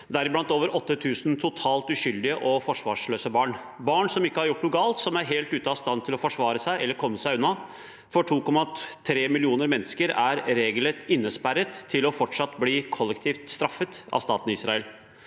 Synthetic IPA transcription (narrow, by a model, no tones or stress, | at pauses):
d̪æɾɪblɑnt̪oːʋəɾʔɔt̪ːət̪ʰʉːsnt̪ʰʊt̪ʰɑːlt̪ʉɕʏld̪ɪəʔɔfɔʂʋɑːʂløːsəbɑːɳ | bɑːɳsɔmɪkːəhɑɾjʊʈːlʊɡɑːlt̪sɔmæɾɦeːlt̪ʉːt̪əɑst̪ɑnːt̪ʰɪlɔfɔʂʋɑːɾəsæɪʔɛlːəɾkʰɔmːəsæɪʉnːɑ | fɔʈʰuːkɔmːɑt̪ʰɾeːmɪlɪuːnəɾmɛnːəskəɾæɾɾeːɡlət̪ɪnːəspæɾət̪ʰːɪlɔfɔʈʂɑt̪ːbliːkʰɔlːɛkt̪ʰiːft̪st̪ɾɑfət̪ɑ̰ʋst̪ɑːt̪nɪsɾɑəl